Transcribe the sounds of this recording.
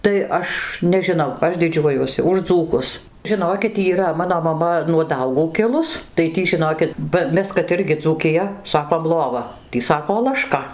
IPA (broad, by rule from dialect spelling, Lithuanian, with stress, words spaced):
tɐɪ ˈɐʃ nʲɛʒʲɪˈnɐʊ ˈɐʃ dʲɪˈd͡ʒʲuɔjuɔsʲɪ ʊʃ ˈd͡zuːkʊs ʒʲɪˈnoːkʲɪt iːˈrɐ ˈmɑːnoː mɐˈmɐ nuɔ ˈdɐʊɡuː kʲˈɪlˠʊs tɐɪ ˈtʲiː ʒʲɪˈnoːkʲɪt bɐ ˈmʲɛs kɐt ˈɪrʲɡʲɪ d͡zuːkʲɪˈjɛ ˈsɑːkoːm ˈlˠoːʋɐ ˈtʲiː ˈsɑːkoː lˠɐˈʃkɐ